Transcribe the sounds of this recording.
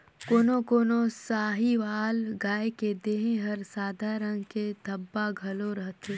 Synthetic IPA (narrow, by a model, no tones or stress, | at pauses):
koːnokoːnosaːɦiʋaːlɡaːeked̪eːɦẽɦɐɾsaːd̪ʱaːɾəŋɡked̪ʱɐbːaɡʱɐloɾɐɦt̪eː